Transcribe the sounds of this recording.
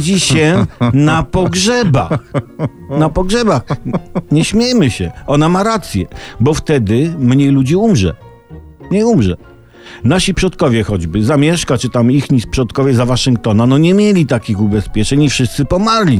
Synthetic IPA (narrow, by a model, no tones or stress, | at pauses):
d͡ʑiɕɛnapɔɡʐɛba̰x | napɔɡʐɛbaxɲɛɕmʲjejmɘɕɛɔnamaɾat̪sʲjɛbɔft̪ɛd̪ɘmɲejlud͡ʑiumʐɛ̰ | mɲejumʐɛ̰ | naɕipʂɔt̪̚kɔvʲjɛxɔd͡ʑbɘzamʲjɛʂkat͡ʂɘt̪amixɲispʂɔt̪kɔvʲjɛzavaʂɨŋk̚t̪ɔnanɔɲɛmʲjelʲit̪akʲixubɛspʲjɛt͡ʂɛɲifʂɘst̪sɘpɔmaɾlʲi